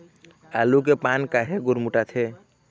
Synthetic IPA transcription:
alukepankaɦeɡʊɾmuʈat̪ʰe

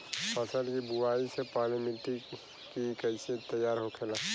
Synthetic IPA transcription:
pɐsəlkibuwaːisepaːɾlemĩʈi | kikɐɪset̪ɐjːaːɾɦokʰeːlaː

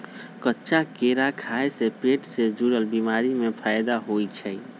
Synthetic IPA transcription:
kətːʃakeɾakʰaesepeːʈsed͡ʒuɽəlbimaːɾimẽpʰaːjd̪aɦoit͡ʃʰɛ

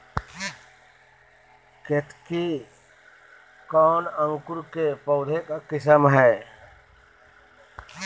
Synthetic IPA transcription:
ket̪ʰki | kɔːnə̃ŋkuɾkepɔʊd̪ʱekakɪsəmɦɛː

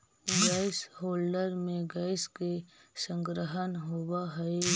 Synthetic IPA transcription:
ɡaːɪshoːlɖəɾmẽɡaːɪskesə̃ŋɡɾəɦənɦowaɦəe

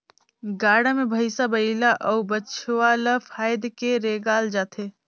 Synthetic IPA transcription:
ɡaːɽamẽbʱɐɪsabɐilaʔɔːubɐt͡ʃʰwaːlafʰaːjd̪keɾeːɡaːld͡ʒaːt̪ʰeː

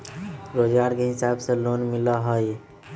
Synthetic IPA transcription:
ɾod͡ʒɡaɾkeɦɪsabselonmiləɦəj

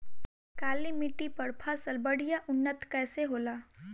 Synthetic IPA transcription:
kaːlimɪʈipɐɾpʰaːsəlbɐɽ̤ijaʔʊnːət̪kɛːseɦoːlaː

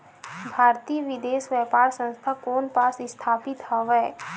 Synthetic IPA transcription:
bʱaːɾt̪ijʋɪd̪eːsʋjɛpaːɾsə̃nst̪ʰakoːnpaːsɪst̪ʰaːpɪt̪hɔʋɛː

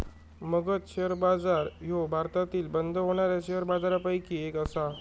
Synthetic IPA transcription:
məɡət͡s̪ɕeəɾbad͡zaɾɦobʱaɾt̪at̪iːlbənd̪ʱəɦoɽ̃aɾjaɕeɦəɾbad͡zaɾapajkiekəsa

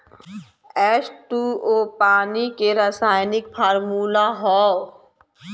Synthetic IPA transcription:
ɛːsʈuːoːpaːnikeɾəsaːjnɪk̚pʰəɾmuːlaɦɔː

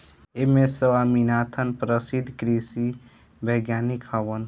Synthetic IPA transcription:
emesəwaminat̪ʰənpɾəsid̪ʱkɾisi | bʱəɡjanikhəwən

